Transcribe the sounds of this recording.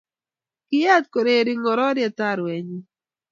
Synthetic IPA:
kɪ˦ja˦t̪̚ko˨ɾe˦˨ɾi˦ŋɔ˨ɾɔ˦ɾja˨t̪a˦ɾwɛ˨ɲi˦

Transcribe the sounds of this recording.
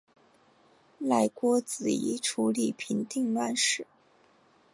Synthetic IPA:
la˥˩ɪkwɔ˥t͡sɹ̩˨˩ḭ˧˥ʈ͡ʂʰu˧˥li˨˩pʰi˧˥ŋt̪i˥˧ŋla˥˧nʂɻ̩˥˩

